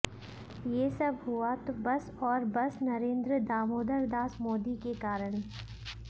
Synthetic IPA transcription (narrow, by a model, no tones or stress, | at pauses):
jesɐbʱɦʊat̪obɐs | ɔːɾbɐsnɐɾẽːnd̪ɾəd̪aːmoːd̪əɾd̪aːsmoːd̪ikekaːɾəɽ̃